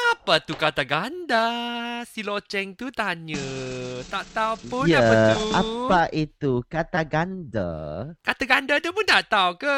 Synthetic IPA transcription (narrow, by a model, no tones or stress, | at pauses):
apat̪ukat̪aɡandasilɔt͡ʃɛŋt̪ut̪aɲə̃t̪aʔt̪awpʊjaaaapaʔit̪ukat̪aɡanda̰kat̪aɡandadapʊnt̪aʔt̪awka